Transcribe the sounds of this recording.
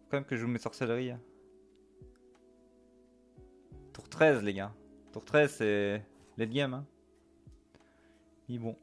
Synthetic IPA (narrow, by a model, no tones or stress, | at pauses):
kɑ̃mɛmkəʒəumesɔʁsɛlʁiɛ̃ | t̪uʁt̪χɛzleɡat̪uʁt̪χɛzsɛled̪jɛmɛ̃ | ibɔ̃